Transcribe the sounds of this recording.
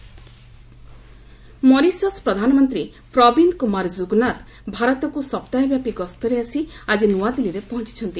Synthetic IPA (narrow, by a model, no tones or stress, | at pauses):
mɔɾisɔspɾɔd̪ʱanɔmɔnt̪ɾi | pɾɔbind̪kumaɾd͡ʒuɡnat̪ | bʱaɾɔt̪ɔkusɔpt̪ajɔbjapiɡɔst̪ɔɾeasiad͡ʒinuad̪iliɾepɔɦɔ̃nt͡ʃi̥t͡ʃʰɔnt̪i